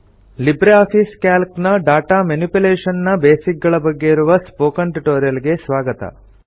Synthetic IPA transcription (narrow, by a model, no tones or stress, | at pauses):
libɾeaːpʰiːskaːlknɐɖaːʈaːmɐnipuleːʂɐnnɐbeːsik̚ɡɐɭɐbɐɡːe̞iɾuʋɐspoːkɐɳʈʈoːɾijɐlɡe̞sʋaːɡɐt̪ɐ̰